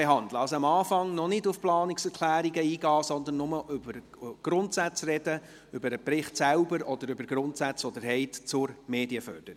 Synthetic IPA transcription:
eɦɑnd̪ləɑlsoɑmɑːfɑŋnɔnɪdʊfplɑːnɪksɛɾkʰlæːɾiɡəiːɡɑːsɔnd̪ənːʊməʔʏbəɾ | ɡ̥ɾʊntsæt͡srɛd̥ə | ʏbəɾəpɾɪχtsælbəɾɔd̪əɾʏbəɾɡ̥ɾʊntsæt͡sʋɔd̪əɾɦɛɪtt͡sʊɾmeːdiəfœ̰ɾd̥əɾɪ

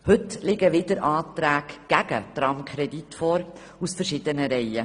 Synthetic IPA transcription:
hɵtlɪɡəʋɪd̪əɾʔɑːt̪ɾæːkɡ̥æɡə̰t̪ɾɑmkʰχɾɛd̪itfɔːɾ | usfəɾʃɪd̥̪ənəɾɛjə

